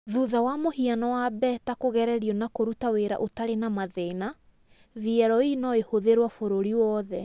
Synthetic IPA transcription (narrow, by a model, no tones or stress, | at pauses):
ðuðawamohianɔwabɛtakoɣɛɾɛɾiɔnakoɾutaweɾa̰ʔotaɾenamaðɛina | viɛɾɔinɔehoðeɾwafoɾoɾiwɔðɛ